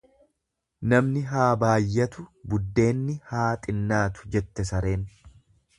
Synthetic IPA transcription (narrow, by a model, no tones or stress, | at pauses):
nɐmnɪɦaːbaːjːɐt̪ʊbʊd̪ːe̞ːnːɪhaːt̪ʼɪnːaːt̪ʊ̥d͡ʒɛt̪ːɛsɐɾe̞ːn